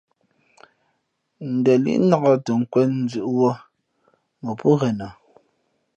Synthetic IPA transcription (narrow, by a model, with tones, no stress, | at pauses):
n̩˨dɛ˨lḭ˦ʔna˨ɣɔ˦tə˨ŋ̩˨kwɛ˦n̩˦d͡zʉ˨ʔwɔ˦ | mə˨pu˦ɣɛ˨na˨